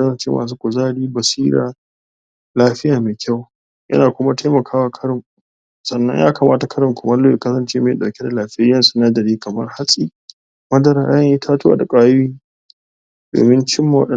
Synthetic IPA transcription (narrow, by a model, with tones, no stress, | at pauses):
kɐ˦sɐ˨nt͡ʃḛː˦mʔa̰ː˨s̬uː˦kʷʊ˨zaː˦ɽiː˦bɐ˨siː˦ɾa̰ː˨ | laː˦ɸɪ˦jaː˨meː˨kʲʰa˦˨w | jʔɐ̰˦naː˨kʷʊ˦ma˦tʰa˦jmɐ˨kʰaː˦wa˨kʰɐ˦ɽɪ˨m | sʼɐ˨nːɐ̰˦ɲjaː˦kaː˨maː˦ta˨kʰɐ˦ɾɪ˨mkʷʊ˨mɐ˦lːoː˦je˨kɐ˦sɐ˨nt͡ʃeː˦meː˨ɗa˨wkʲe˦da˨laː˨ɸɪ˦ja˦jɐ˦su˦na˦dɐ˨ɽiː˦kɐ˨mɐ̰˦rha˦sʼi˦ | mɐ˦dɐ˨ɾaː˨ʔa˦jɐ˦ʔi˦tʰaː˦tʊ˦a̰ː˨da˨kʷʼaː˦jiː˦ | d̥o̰ː˨mɪ˦nt͡ʃɪ˦mːa˨wɐ̰˦ɗɐ˨